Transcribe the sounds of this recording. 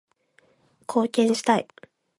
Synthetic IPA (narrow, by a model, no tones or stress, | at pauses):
kʰo̞ːkʲẽ̞ɰ̃ɕi̥t̪aḭ